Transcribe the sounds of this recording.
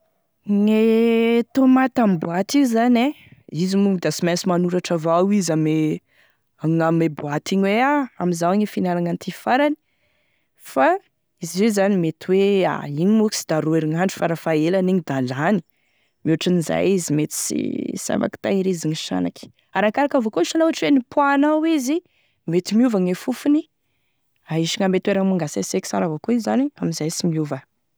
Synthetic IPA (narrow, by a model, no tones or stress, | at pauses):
ŋet̪omat̪amibuat̪iuzane | izimuŋid̪asimasimanuɾaʈ͡ʂavawizame | aŋamebuat̪iɲweaamizawɲefinalaŋant̪ʰifaɾani̥ | fa | izizezanimet̪iwea̰iɲimuki̥sid̪aɾueɾiŋaɳɖ͡ʐu̥faɾafaelaniɲid̪alani̥ | muaʈ͡ʂiniza̰jizimet̪i̥sḭsa̰ma̰ki̥t̪aiɾiziŋiʃa̰naki̥ | aɾakaɾakavokoiʃanouɦaʈ͡ʂiwenipwanawizi | met̪imiuvaŋefufuni | aiʃiŋamet̪weɾaŋmaŋɡasaseki̥saɾavokoizaniamizajsimiuvə